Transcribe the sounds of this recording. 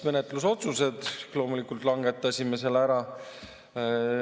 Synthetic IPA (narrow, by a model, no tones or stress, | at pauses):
me̞net̪ːˑlus̬o̞t̪suse̞d̪̥lo̞ːmulikːˑult̪ˑlɑŋɡe̞t̪ːˑɑsʲimese̞lːæɾɑ